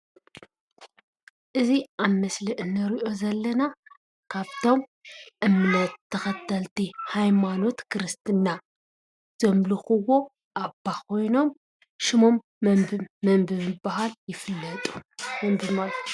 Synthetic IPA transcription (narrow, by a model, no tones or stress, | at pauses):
ʔɨziʔaβmɐslɨʔɨnːɐɾiʔo̞zɐlːɐna | kʰaβt̪ʰo̞mʔɨmnɐt̪ʰːɐxɐt̪ʰːɐlt̪ihajmano̞t̪kʰɨɾɨst̪ʰɨnːa | z̥omlɨxɨwo | ʔabːakʰo̞jno̞m | ʃɪmo̞mː | ɐmbɨβɨbɐɦaljɪfɨlːɐt̪ʼu̥hunbɨmal